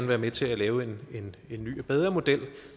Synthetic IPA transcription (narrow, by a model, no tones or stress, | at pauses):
nʋæːɐmet͡sʰe̝lælɛːʊene̝ne̝nːy̰ːb̥eð̞ˠʁɐmo̝d̥el̰